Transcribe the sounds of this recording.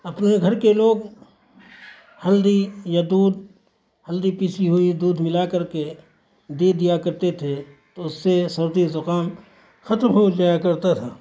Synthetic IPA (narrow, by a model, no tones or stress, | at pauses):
ɐpneɡʱɐɾkeloːɡ | hɐld̪ijad̪uːd̪̚ | hɐld̪ipiːsiɦʊid̪uːd̪mɪlakɐɾke | d̪eːd̪ijakɐɾt̪et̪ʰet̪oʊsːesɐɾd̪izʊqaːm | xɐt̪mɦod͡ʒaːjakɐɾt̪at̪ʰaː